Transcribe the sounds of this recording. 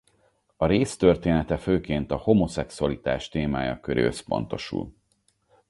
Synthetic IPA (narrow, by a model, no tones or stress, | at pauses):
ɒɾeːst̪ørt̪eːnɛt̪ɛføːkeːnt̪ɒho̞mo̞sɛksuɒlit̪a̰ːʃt̪eːma̰ːjɒ̰køɾḛːøspo̞̰n̪t̪o̞̰ʃṵl